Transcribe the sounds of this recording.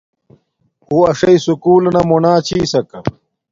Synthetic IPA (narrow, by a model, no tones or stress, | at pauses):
uːɐʂɐisukuːlnɐmunaːt͡ɕʰiːsɐkɐ